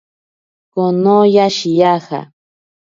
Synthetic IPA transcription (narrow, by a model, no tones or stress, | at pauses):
konojaʃijaxa̰